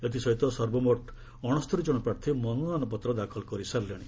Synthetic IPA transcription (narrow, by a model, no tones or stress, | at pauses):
et̪̬isɔɦit̪ɔsɔɾbɔmɔʈʰ | ɔɽ̃ɔst̪ʰɔɾid͡ʒɔɽ̃ɔpɾaɾt̪ʰimɔnunanɔpɔt̪ɾɔd̪akʰɔlkɔɾisaɾleɽ̃i